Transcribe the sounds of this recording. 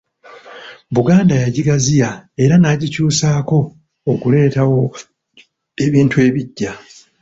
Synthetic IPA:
βuɡaːndajaɟiɡazijae̞ɾanaːɟicuːsaːko̞ː | kule̞ːtawo̞ | e̞βiːntue̞ːβiɟːa

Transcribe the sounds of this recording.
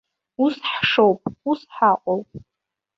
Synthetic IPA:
usħʂowpʼusħaqʷʼowpʼ

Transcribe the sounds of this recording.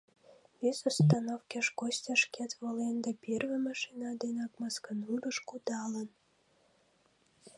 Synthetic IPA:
βezost̪ɑnofkʲeʃkosʲtʲɑʃket̪βolend̪ɑpʲervemɑʃinɑd̪enɑkmɑskənuɾəʃkud̪ɑlən

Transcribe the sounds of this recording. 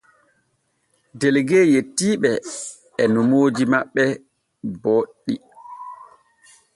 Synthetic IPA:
dɛlɡɛːjetːiːɓɛ | ɛnumoːd͡ʒimaɓːɛ | boːɗːi

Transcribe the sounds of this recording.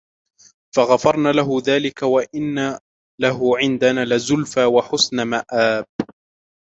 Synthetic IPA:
faɣafɑɾˤnaːlaɦʊðaːlɪkawaʔɪnːa | laɦʊʕɪnd̪anaːlɪzʊlfaːwaħʊsnamaʔaːb̚

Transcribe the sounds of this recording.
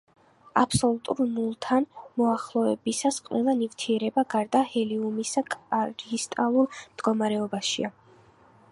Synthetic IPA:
a̰pʰsɔlˠut̪ʼṵɾmulˠt̪ʰanmɔaχlˠɔɛbisasqʼwɛlˠanivt̪ʰiɛɾɛbaɡaɾd̪ahɛliumisakʼaɾist̪ʼalˠuɾmd̪̥ɡɔmaɾɛɔbaʃḭa

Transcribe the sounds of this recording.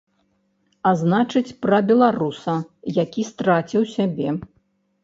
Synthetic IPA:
aznat͡ʂɨt͡sʲpɾɐbʲɛlˠaɾusɐjakʲist̪ɾat͡sʲiwsʲabʲɛ

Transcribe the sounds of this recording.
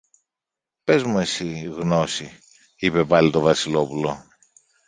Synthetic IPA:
pe̞zmue̞siɣno̞si | ipe̞pɐlit̪o̞vɐsilo̞pulo̞̰

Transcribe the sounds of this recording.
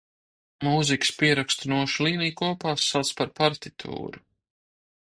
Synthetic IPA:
muːzikspiɛɾakst̪unuɔʃlˠiːnijkuɔpaːsːat̪spaɾpaɾt̪it̪ʰṵːɾu

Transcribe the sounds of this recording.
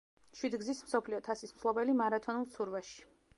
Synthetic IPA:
ʃwid̪ɡzismsɔpʰliɔt̪ʰasismslˠɔbɛlimaɾat̪ʰɔnulˠsʰuɾvaʃi̥

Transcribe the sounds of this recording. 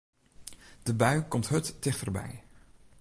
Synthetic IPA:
d̥əbœɥkɔmtɦɵtːɪχtərbɛ̰j

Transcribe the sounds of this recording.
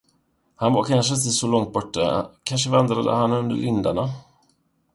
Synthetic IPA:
hanvaɾkʰanʂ̬ət̪isɔlɔŋt̪̚bɔʈːakʰanʂəvand̪ɾad̪ə̰hanːɵnd̪ə̰ɾɪnd̪a̰ɳa

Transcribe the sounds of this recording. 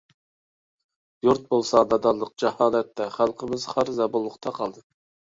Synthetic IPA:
juɾt̪̚bolˠsɑd̪ɑd̪ɑlˠːəq̚d͡ʒɑhɑːlɛt̪ːɛχælˠqʰəmɪz̥χɑɾzɑbolˠːʊqt̪ʰɑqʰɑlˠd̪ɨ

